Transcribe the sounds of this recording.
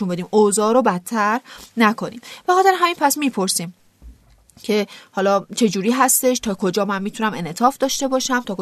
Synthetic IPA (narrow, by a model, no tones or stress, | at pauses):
unmbe̞d̪iːmozɒːɾobæt̪ʰːæɾnækʰo̞nḭːmb̥æxɒːd̪æɾɦæmiːnpʰæsmiːpʰo̞ɾsiːm | cʰe̞hɒːlɒːt͡ʃʰe̞d͡ʒuːɾiːɦæst̪e̞ʃt̪ʰɒːkʰo̞d͡ʒɒːmænmiːt̪ʰunæme̞net̪ʰɒːfd̪ɒːʃt̪e̞bɒːʃæmt̪ʰɒːko